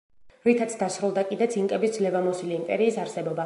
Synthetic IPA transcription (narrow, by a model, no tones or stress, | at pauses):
ɾit̪ʰat̪sʰd̪asɾulˠd̪akʼid̪ɛt̪sʰiŋkʼɛbisd̪zlɛvamɔsiliːmpʼɛɾiːsaɾsɛbɔba